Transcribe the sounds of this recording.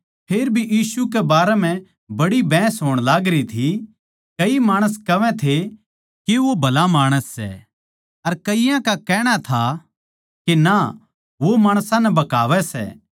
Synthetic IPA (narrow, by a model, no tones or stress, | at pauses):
pʰeːɾbʱijiːsukɛbaːɾɛm̤ɛ̃ | bɐɽibɛ̃ːsɦoːɽ̃laːɡɾit̪ʰi | kɐimaːɽ̃əskɐʋɛ̃t̪ʰe | keʋobʱɐlamaːɽ̃əsːɛ̰ | ɐɾkɐɪjãkakɛːɽ̃at̪ʰa | kina | ʋomaːɽ̃sãnɛbɐkaːʋɛsɛ̰ː